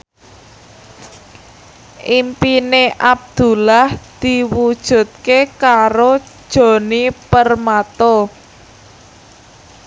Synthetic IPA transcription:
ʔimpineʔab̚d̪̥ṳlahd̪̥i̤wud̥ʒ̥ṳt̪̚kekaɾod̥ʒ̥o̤nipərmat̪o

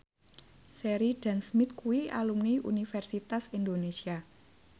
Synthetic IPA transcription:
seɾiɖ̥ɛnsmit̪̚kuwialumniʔṵnifɛrsit̪asind̪onesia

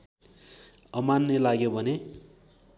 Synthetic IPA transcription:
ʌmanːelaɡjobʱʌne

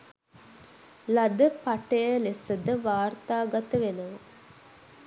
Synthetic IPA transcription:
lad̪əpaʈəjəlesəd̪əʋaːrt̪aːɡat̪əʋenəʋə

